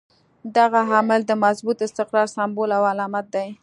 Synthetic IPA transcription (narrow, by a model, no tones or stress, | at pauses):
d̪aɣaɦamɪld̪əmazbut̪ɪst̪ɪqɾɑɾsambolawalɑmat̪̚d̪aj